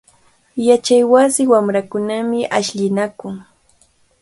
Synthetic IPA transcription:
jat͡ʃajwasɪwamɾakʊnamɪʔaʃʎɪnakʊŋ

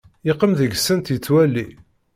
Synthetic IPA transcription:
ɪqːəmðəɡsːənt̪jət͡sːwælːi

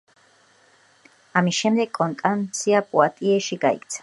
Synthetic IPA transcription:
amisʃɛmd̪ɛɡkʼːɔnt̪ʼant̪sʰiapʼuat̪ʼiɛʃiɡaḭkʰʼt̪sʰḁ

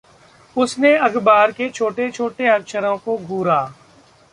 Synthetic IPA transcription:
ʊsneɐɡbaːɾket͡ʃʰoːʈet͡ʃʰoːʈeɐkʃəɾõkoɡʱuːɾaː

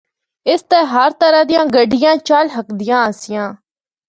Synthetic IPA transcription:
ɪst̪ɛːɦəɾt̪əɾaːd̪ɪjãːɡəɖɪjãːt͡ʃaːlɦəkd̪ɪjãːəsɪjãː

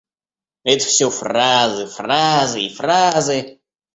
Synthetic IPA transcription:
ɛt̪ə̥fsʲɵfrazɨfrazɨifrazɨ

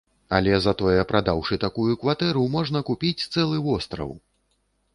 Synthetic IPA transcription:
alʲɛzɐt̪ɔjɛpɾʔad̪awʂɨt̪akujukvat̪ɛɾumɔʐnɐkupʲit͡sʲt̪sɛlˠɨvɔst̪ɾɐ̰w

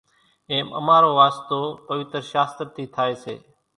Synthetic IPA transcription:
ẽːmə̰maːɾoːʋaːst̪oːpəʋɪt̪ɾʃaːst̪əɾt̪ʰiːt̪ʰaːeːsḛː

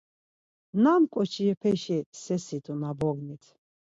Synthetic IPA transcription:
namkʼɔt͡ʃʰiɛpʰɛʃisɛsit̪ʼunabɔɡnit̪ʰ

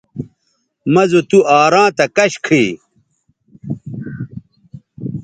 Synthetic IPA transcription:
mɐzot̪uʔaːɾãːt̪ɐkɐɕkʰiː

